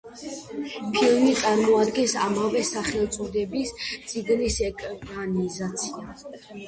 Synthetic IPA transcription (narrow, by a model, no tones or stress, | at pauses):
pʰilˠmit̪sʼaɾmɔad̪ɡɛnsa̰mavɛsaχɛlˠt̪sʼɔd̪ɛbist̪sʼiɡnisɛkʼanizat̪sʰia